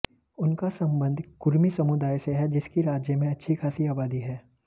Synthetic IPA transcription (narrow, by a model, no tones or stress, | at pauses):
ʊnkasɐ̃mbə̃nd̪ʱkʊɾmisɐmʊd̪aːjseɦɛd͡ʒɪskiɾaːd͡ʒjəmẽɐtːʃʰikʰaːsiaːbaːd̪iɦɛː